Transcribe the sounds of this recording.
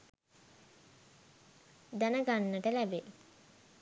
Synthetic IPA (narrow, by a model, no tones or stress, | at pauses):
d̪ænəɡanːəʈəlæbe